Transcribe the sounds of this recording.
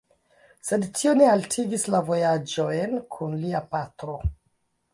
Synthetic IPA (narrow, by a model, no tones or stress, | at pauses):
se̞dtʰio̞ne̞altʰiɡislavo̞jad͡ʒo̞jnkʰunliapatɾo̞